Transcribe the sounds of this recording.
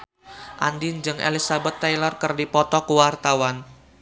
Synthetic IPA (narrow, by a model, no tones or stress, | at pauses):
ʔandind͡ʒɨŋʔḛlisabɛt̪ːajlɔrkərdipɔt̪ɔkuwart̪awan